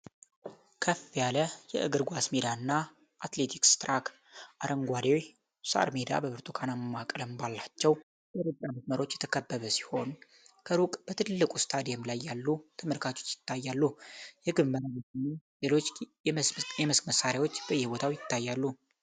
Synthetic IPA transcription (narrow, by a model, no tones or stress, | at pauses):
kʰəfːijaləjɛ̰ʔɨɡɨɾɡʷasmed̪aɨnːa | ʔat̪le̞t̪ʰikst̪ɾakʰ | ʔaɾəŋɡʷad̪eoj | sa̰ɾmed̪a̰bəβɨɾt̪ʰukʰanamːakʼləmbalːat͡ʃːɛw | jɛɾɨd͡ʒʼaməsməɾo̞t͡ʃːjɛt̪ʰəkʰəbːəβəsi̥ho̞n | kʰəɾukʼb̥ət̪ʰɨlːɨkʼust̪ʰad̪ijɛmlajːalːut̪ʰəməlkʰat͡ʃʰʼo̞t͡ʃːjɪ̥t̪ːajːalːujɛɡɨβməɾabət̪nelelo̞t͡ʃː | jɛmɨskməsːaɾjawo̞t͡ʃːb̥əjːɛhbo̞t̪ʰawjɪt̪ːajːalːu